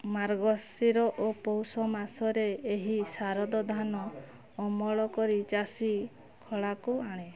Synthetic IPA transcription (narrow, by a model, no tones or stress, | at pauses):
maɾɡɔsiɾɔʔopɔwsɔmasɔɾeeɦisaɾɔd̪ɔd̪ʱanɔː | mɔɭɔkɔɾit͡ʃasi | kʰɔɭakuaɽ̃e